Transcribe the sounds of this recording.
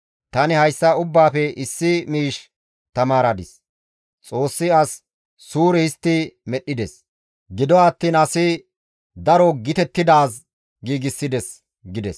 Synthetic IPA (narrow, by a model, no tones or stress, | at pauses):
t̪ɐnɪhɐjsːɐʊbːaːfɛʔɪsːɪmiːʃ | t̪ɐmaːɾɐd̪ɪs | t͡sʼo̞ːsːɪɐsː | uːɾɛhɪst̪ːɪmɛɗːɪd̪ɛs | ɡɪd̪ɔɐt̪ːiːnɐsɪ | d̪ɐɾɔɡɪt̪ɛt̪ːɪd̪aːs | ɡiːɡɪsːɪd̪ɛs | ɡɪd̪ɛs